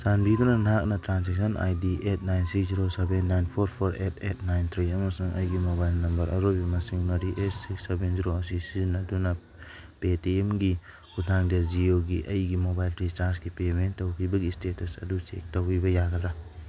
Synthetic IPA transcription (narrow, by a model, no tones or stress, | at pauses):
sanbidɔnanak̚natɾansek̚sɔnʔa̰jdiʔet̚ʰnajnsikziɾosebenːajnpʰɔɾpʰɔɾetʰet̚ʰnajnt̪ʰɾiɐmasaŋʔɐ̰jɡimobajlnɐmbɐɾɐ̰ɾobimasiŋunaɾiʔetsiksebenziɾoasisinaduna | petiemɡi | ɡutʰaŋdazioɡiʔɐjɡimobajltɾit͡ʃaɾsɡipementːɐwkʰibɐɡistetʰɐsɐ̰dusḛk̚tɐwibɐjaɡala